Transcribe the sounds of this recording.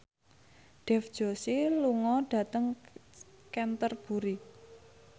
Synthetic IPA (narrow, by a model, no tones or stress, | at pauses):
ɖ̥ɛ̤fd̥ʒ̥o̤siluŋɔɖ̥ä̤t̪əŋ | kɛnt̪ərb̥ṳɾi